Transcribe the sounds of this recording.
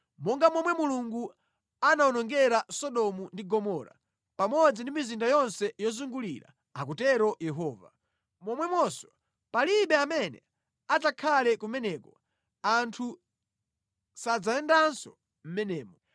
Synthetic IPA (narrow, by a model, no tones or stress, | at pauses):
mɔŋɡamwɔmwɛmuluŋɡu | anaunɔŋɡɛɾasɔɗɔmundiɡɔmɔɾa̰ | pamɔd͡zindimizindajɔnsɛjɔzuŋɡulḭɾa̰ | ak̬utɛɾɔjɛɦɔːva̰ | mɔmwɛmwɔsɔ | paliɓɛamɛnɛ̰ | azakʰalɛkumɛnɛːkɔ | antʰu | sad͡zaɛndansɔ | m̩mɛnɛːmɔ